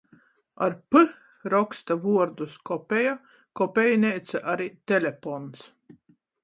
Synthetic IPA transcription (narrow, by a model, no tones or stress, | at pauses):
a̰ɾpɨ | ɾɔkst̪avuɔɾd̪uskɔpʲeja | kɔpʲɛjnʲɛjt̪saʔaɾit̪ʲɛlʲefɔns